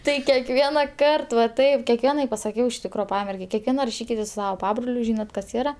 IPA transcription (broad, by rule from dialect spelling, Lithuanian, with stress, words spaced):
ˈtɐɪ kʲɛkˈʋʲiɛnɐ ˈkɐrt ʋɐ ˈtɐɪp kʲɛkˈʋʲiɛnɐɪ pɐsɐˈkʲɛʊ ɪʃ ˈtʲɪkroː ˈpɑːmʲɛrʲɡʲɛɪ kʲɛkˈʋʲiɛnɐ rɐˈʃʲiːkʲɪtʲeːs sʊ ˈsɑːʋɐ ˈpɑːbroːlʲʊ ˈʒʲiːnɐt kɐs ˈiːrɐ